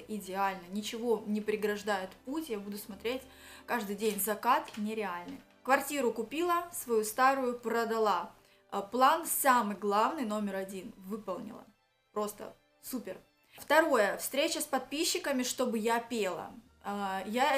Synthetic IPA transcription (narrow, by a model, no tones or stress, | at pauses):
ʔɪdʲɪalʲnənʲɪt͡ɕɪvo̞nʲɪpɾʲɪɡɾɐʐd̪ajɪt̪putʲjabud̪ʊsmɐt̪ɾʲetʲ | kaʐd̪ɨjdʲenʲzɐkat̪nʲɪɾʲɪalʲnɨ̰j | kvɐrtʲiɾʊkʊpʲilˠəsvɐjust̪aɾʊjʊpɾəd̪ɐlˠa | plˠansamɨjɡlˠavnɨjno̞mʲɪɾɐdʲinvɨpəlˠnʲɪ̰lˠə̰ | pɾo̞st̪ə̰ | supʲɪr | ft̪ɐɾo̞jəfst̪ɾʲet͡ɕəspɐt̪̚pʲiɕːɪkəmʲɪʂt̪o̞bɨjapʲelˠə̰ | ja